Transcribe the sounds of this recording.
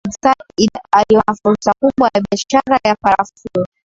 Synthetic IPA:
saialiɔnafuɾsakuɓwajaɓiaʃaɾajapaɾafulɔ

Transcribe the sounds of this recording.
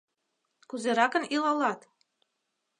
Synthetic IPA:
kuzeɾɑkə̆nilɑlɑt̪

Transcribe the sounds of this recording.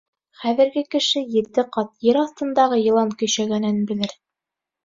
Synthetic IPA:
χæðɘ̆ɾɡɘkɘ̆ʃɘjɘ̆ɾt̪ɘqɑt̪jɘɾɑθt̪ɤ̆nd̪ɑʁɤjɤ̆lˠɑŋkɵ̆jɕæɡænɘnbɘ̆lɘɾ

